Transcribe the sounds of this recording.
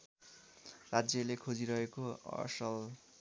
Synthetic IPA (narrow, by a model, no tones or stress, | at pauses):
rad͡zjʌlekʰod͡ziɾʌɦekoʌ̰sʌl